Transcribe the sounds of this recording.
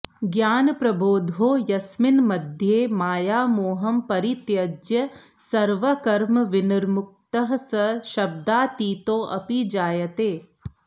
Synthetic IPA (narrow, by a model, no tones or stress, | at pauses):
ɡjaːnpɾɐboːd̪ʱoːjɐsmɪnmɐd̪ʱjeːmaːjaːmoːɦɐmpɐɾit̪jɐd͡ʒjɐ | sɐɾʋɐkɐɾmɐʋɪnɐɾmʊk̚t̪ɐɦɐsɐʃɐb̚d̪aːt̪iːt̪oːʔɐ̰pid͡ʒaːjɐt̪eː